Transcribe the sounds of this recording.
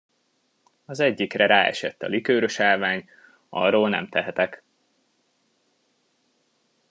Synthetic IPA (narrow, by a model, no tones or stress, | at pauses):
ɒzɛɟːikrɛɾaːɛ̰ʃɛt̪ːɒ̰likøːɾø̞ʃaːlvaːɲ | ɒ̰rːoːlnɛ̰mt̪ɛɦɛt̪ɛk